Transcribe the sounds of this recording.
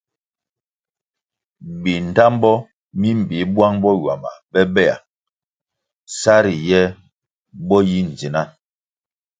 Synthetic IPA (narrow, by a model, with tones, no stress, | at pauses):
bi˨n̩˨ta˦mbɔ˦ | mi˦m˨bi˨˦bwa˦ŋbɔ˦jwa˨ma̰˨bɛ˦bɛ˦˨a̰˨ | sa˦ɾi˨jɛ˦ | bɔ˦ji˦n̩˨d͡zi˨na˦